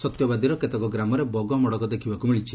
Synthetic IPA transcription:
sɔt̪jɔbad̪iɾɔket̪ɔkɔɡɾamɔɾebɔɡɔmɔɽɔkɔd̪ekʰibakumiɭit͡ʃʰi

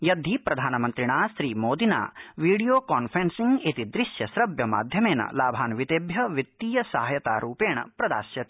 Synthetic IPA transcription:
jɐd̪ʱipɾɐd̪ʱaːnɐmɐnt̪ɾiɳaːsɾiːmoːd̪ina̰ːʋiːɖijoːkaːnpɾensiŋɡit̪id̪ɾiʃjɐsɾɐbjɐma̰ːd̪ʱjɐmeːnɐ̰laːbʱaːnʋit̪eːbjɐʋjit̪ːiːjɐsɐɦɐjɐt̪a̰ːɾuːpeːɳɐ̰pɾɐd̪a̰ːsjɐt̪ː

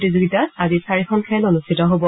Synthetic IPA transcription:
tizoɡitaazisaɹikʰɔnkʰɛlonustʰitɔɦobɔ

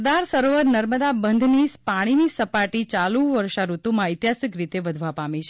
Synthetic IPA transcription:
d̪aɾsəɾoʋəɾnəɾməd̪abənd̪ʱnispaɽ̃inisəpaʈit͡ʃalũʋəɾʃaɾut̪umãɪt̪jasʋikɾit̪eʋəd̪ʱʋapamĩt͡ʃʰ

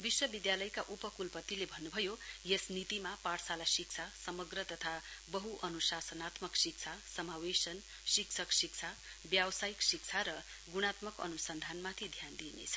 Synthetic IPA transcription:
biswʌbid̪jalʌjkaʔupʌkulpʌt̪ilebʱʌnːubʱʌjojesnit̪imapaɽsalasik̚t͡sʰasʌmʌɡrʌt̪ʌt̪ʰabʌɦuʔʌnusasʌnat̪mʌksik̚t͡sʰasʌmawesʌn | sikt͡sʰʌksik̚t͡sʰa | bjawsajiksik̚t͡sʰaɾʌ | ɡuɽ̃at̪mʌkʌ̰nusʌnd̪ʱanmat̪ʰid̪ʱjand̪inḛt͡sʰʌ̥

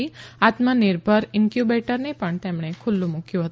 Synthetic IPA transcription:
iat̪mənɪɾbʱəɾɪnkjubeʈəɾnepəɳt̪emɳekʰʊlːũmukjũɦət̪

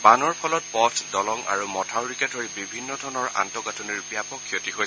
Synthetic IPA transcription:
banɔɹpʰɔlɔt̚pɔtʰdɔlɔŋa̰ɹumɔtʰawɹiketoɹibibʱinːɔdʱɔnɔɹa̰ntɔkatʰɔniɹpijapɔkʰːiotiɦoj

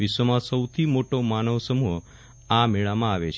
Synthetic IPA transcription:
isʋəmãsəwt̪ʰimoʈomanəʋsəmuɦə | ameɭamãaʋet͡ʃʰ

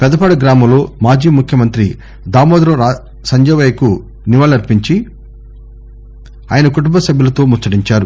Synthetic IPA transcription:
pɛd̪ɐpaːɽɐɡɾaːmɐmlo̞ːmaːd͡ʒiːmukʰjɐmɐnt̪ɾi | d̪aːmoːd̪ɾɐɾa | sɐɲd͡ʒɐːʋɐjɐku | niʋaːlɐɾpiɲt͡ʃi | a̰ːjɐnɐkuʈumbɐsɐbjulɐt̪o̞ːmusɐɽiɲt͡ʃaːɾu

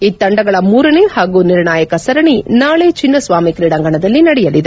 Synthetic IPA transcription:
it̪ːɐɳɖɐɡɐɭɐmuːɾɐnehaːɡuːniɾɳaːjɐkɐsɐɾɐɳinaːɭet͡ʃinːɐsʋaːmikɾiːɽɐŋɡɐɳɐd̪ɐlːinɐɽɛjɐlid̪e

